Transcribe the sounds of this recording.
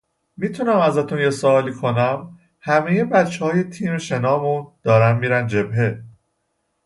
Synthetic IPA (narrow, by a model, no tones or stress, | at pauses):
miːt̪ʰunæmæzæt̪ʰunjesoɒːliːkʰo̞næm | hæmejebæt̪t͡ʃʰːehɒːje̞t̪ʰiːmeʃe̞nɒːmund̪̥ɒːɾænmiːɾænd͡ʒe̞bɦe